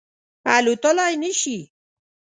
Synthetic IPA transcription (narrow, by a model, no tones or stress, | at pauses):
alut̪olajniʃi